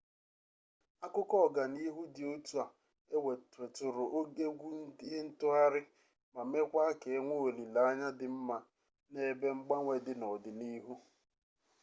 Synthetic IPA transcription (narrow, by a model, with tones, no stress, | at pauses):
a˦kʊ˦kɔ˦˨ɡa˨ni˦ɦu˦dɪ˨o˦tu˦a˨ | e˦we˨tɾe˨tʊ˨ɾʊ˨ʔo˦ɡe˦ɡʷu˦n̩˦di˦e˦n̩˦tʊ˦a˦ɾɪ˦ | ma˨me˦kʷa˦ke˨e˦ŋʷo˦o˨li˨la˨a˦ɲa˦dɪ˨m̩˦ma˨ | ne˦be˦ŋ͡m̩˦ɡ͡ba˦ŋʷe˨dɪ˨nɔ˨dɪ˨ni˦ɦu˦